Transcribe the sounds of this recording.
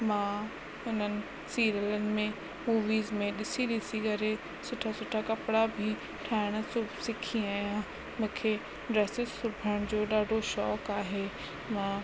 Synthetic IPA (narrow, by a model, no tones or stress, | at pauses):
mãː | ʊnənɪ̆ | siːɾələnɪ̆mẽ | muːʋiːzmẽɗɪsiɗɪsikɐɾe | sʊʈʰasʊʈʰakɐpɽabʱi | ʈʰaːɪɽ̃əsʊbʱsɪkʰĩaːijã | mũːkʰe | ɖɾɛːsɪzsʊbʱəɽ̃d͡ʑoːɗaːɖʱoʃɔːkaːɦeː | mãː